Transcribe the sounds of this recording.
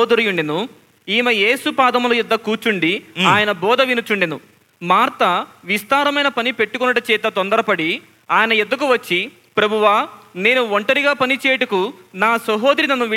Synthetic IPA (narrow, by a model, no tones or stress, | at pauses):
d̪ɐɾijuɳɖinu | iːmɐje̞ːsupaːd̪ɐmlojid̪ːɐkuːt͡ʃuɳɖiaːjɐnɐbɔːd̪ɐʋinut͡ʃuɳɖinu | maːɾt̪ɐʋist̪aːɾɐmɐjnɐpɐnipe̞ʈːukunɐʈɐt͡ʃɛːt̪ɐt̪ond̪ɐɾɐpɐɽi | aːjɐnɐjed̪ːɐkuʋɐt͡ʃːi | pɾɐbʱuʋaːne̞ːnuʋoɳʈɐɾiɡaːpɐnit͡ʃɛːjɐʈukunaːsɐɦo̞ːd̪ɾinɐnːuʋi